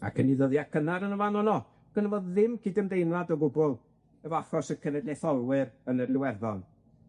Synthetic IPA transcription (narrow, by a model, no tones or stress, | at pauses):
a̰kʰəniðəðjakʰənaɾənəvanɔnɔ | ɡ̥ənavoːððɪmkʰɪdəmdejmlˠadɔɡʊbʊlˠ | ɛvɔafrɔsəkʰənɛdlɛθɔlˠwɪɾənərlɪwɛrðɔn